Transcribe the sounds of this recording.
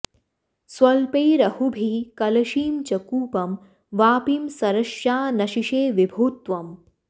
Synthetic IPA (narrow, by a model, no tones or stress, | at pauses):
swɐlpeːɾɐhubʱikɐlɐʃiːmt͡ʃɐkuːpɐm | ʋaːpimsɐɾɐʃjaːnɐʃiʃeːʋibʱuːt̪ʋɐm